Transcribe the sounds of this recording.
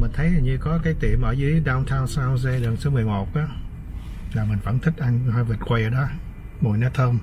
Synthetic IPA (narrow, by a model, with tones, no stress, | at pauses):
mï˨˩ŋ̟t̪ʰə˨˦jaː˨˩ɲɨ˧kɔ˨˦kaː˨˦jt̪ḭ˧˨əmʔə̰ː˧˩zɨ˨˧˦ɗaː˧wt̪ʰaː˧wsa˧wze˧lə˨˩nso˨˦mɨ˨˩əjmo˨˩t̚ʔaː˨˦ | laː˨˩mï̟˨˩fə̰˧˥nt̪ʰï˦˥k̚ʔa˧ŋhaː˧jvi˨˩t̚kwa˧jʔəː˧˦ɗɔ˨˦ | mo˨˩jna˨˦˥t̪ʰəː˧m